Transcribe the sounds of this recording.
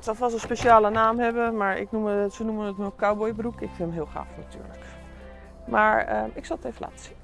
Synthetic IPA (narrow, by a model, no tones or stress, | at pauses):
dɔtʋɑs̬ənspeʃaːlənaːmɦɛbəmaːɹɪ̰knuməsənumənətməkawbɔjbərukɪkfɪnəmɦɪːlˠχa̰ːfnaty̰ːɹlək | maːɹəɪksɑlˠətevəlʔa̰ːtə̥sin